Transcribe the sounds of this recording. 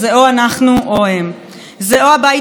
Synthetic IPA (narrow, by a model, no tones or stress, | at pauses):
zeoanaχnuoɦem | zeoabaj